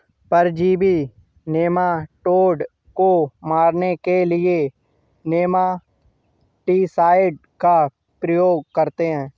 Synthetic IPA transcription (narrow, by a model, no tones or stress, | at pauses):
pəɾd͡ʒiːbʱi | neːmaʈoːɖ | komaːɾnekelɪe | neːma | ʈiːsaːɪɖ̚ | ka | pɾəjoːɡ̚kəɾt̪eɦɛ̃ː